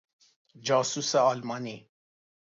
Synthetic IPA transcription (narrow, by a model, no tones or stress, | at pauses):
d͡ʒaːsusaalmani